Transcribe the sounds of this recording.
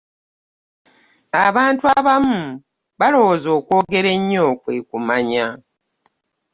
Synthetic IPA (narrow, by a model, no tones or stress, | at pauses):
aβaːntwaβamu | βalo̞wozo̞ːkwo̞ːɡe̞ɾe̞ɲːo̞kweːkumaɲa